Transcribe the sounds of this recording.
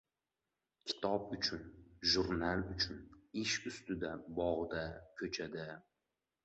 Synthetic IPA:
kʲʰɪ̥t̪ʰɒpʊt͡ʃʰʊnʒʊɾnalˠʊt͡ʃʰʊnɪʃʊst̪ɪd̪abɒʁd̪akʲʰɵt͡ʃʰad̪ɪ

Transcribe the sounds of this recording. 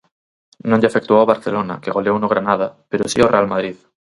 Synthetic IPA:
nõɲʎeafek̚t̪uowβaɾθḛlona̰keɣo̞leownoɣɾanað̞apeɾosḭorealmað̞ɾið

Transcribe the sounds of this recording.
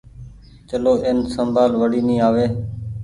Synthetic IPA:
t͡ʃəloːʔɪnsəmbʱaːlʋəɽiːnĩːaːʋeː

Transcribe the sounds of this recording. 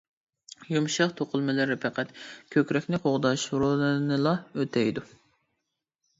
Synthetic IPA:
jumʃɑχt̪ʰoqʰʊlˠmɨlɨɾɪpʰɛqɛt̪kʲʰøkʲɾɛkʲnɪqʰoʁd̪ɑʃɾolˠɨnɨlˠɑøt̪ʰɛjd̪u

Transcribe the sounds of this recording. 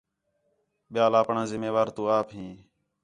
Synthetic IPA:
ɓɪjaːlaːpɳãːzɪmːeːʋaːɾt̪ũːaːpɦĩː

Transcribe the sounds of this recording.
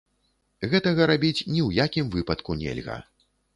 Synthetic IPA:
ɣɛt̪ɐɣɐɾabʲit͡sʲnʲiwjakʲimvɨpɐt̪kunʲɛ̰lʲɣɐ̰

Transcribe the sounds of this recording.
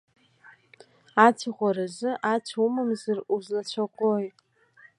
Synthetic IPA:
at͡sʷʰaʁʷaɾazɨʔat͡ɕʷʰaumamzaruzlat͡ɕʷʰakʷʼoj

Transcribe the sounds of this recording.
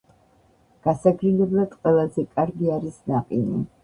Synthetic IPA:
ɡ̥asaɡʰɾilɛblad̪qʼwɛlˠazɛkʼaɾɡiaɾisnaqʼini

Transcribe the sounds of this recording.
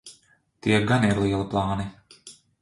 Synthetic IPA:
t̪iɛɡaniɾlˠiːɛlˠiplˠɑːni

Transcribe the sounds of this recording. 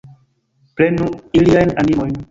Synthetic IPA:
plenuiliajnanimojn

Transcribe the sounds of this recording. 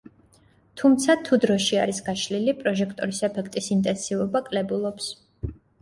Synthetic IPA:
t̪ʰumt̪sʰat̪ʰud̪ɾɔʃiaɾisɡaʃlilipʼɾɔʒɛkʰt̪ʼɔɾisɛpʰɛkʰt̪ʼisint̪ʼɛnsivɔbakʼlɛbulˠɔps

